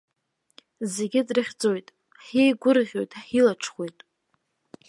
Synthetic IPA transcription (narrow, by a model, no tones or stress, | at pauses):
ze̞ɡʲɪdrɨχʲd͡zo̞jtʼ | ħejɡʷʊrʁʲo̞jtʼħilaʈ͡ʂʰχwe̞jtʼ